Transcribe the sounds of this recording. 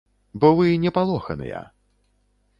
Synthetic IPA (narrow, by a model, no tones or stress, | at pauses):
bɔvɨnʲɛpalˠɔxɐ̰nɨ̰jɐ̰